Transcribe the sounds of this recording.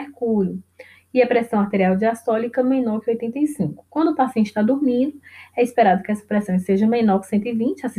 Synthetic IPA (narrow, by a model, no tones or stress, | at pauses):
ekuʎʊ | iɐpɾɛsɐ̃w̃aɾt̪eɾiawd͡ʒiast̪ɔlikɐmẽnɔɾkɪojt̪ẽnt̪ejsĩkʊ̥kwɐ̃nd̪ʊpasiẽnt͡ʃɪ̥t̪ad̪uɾmĩd̪ʊɛispɛɾad̪ʊkɪɛsɐ̥pɾɛsɐ̃w̃seʒɐ̃mẽnɔɾksẽnt̪̬ʊivĩt͡ʃɪas